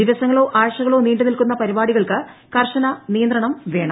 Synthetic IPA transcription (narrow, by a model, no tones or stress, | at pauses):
iʋɐsɐŋːɐɭoːʔaːjɐʂɐɣɐɭo̞ːniːɳɖɨnilkunːɐpɐɾibaːɽiɣɐɭkɨkɐrʂɐnɐnijɐnd̪ɾɐɳɐmʋe̞ːɳɐ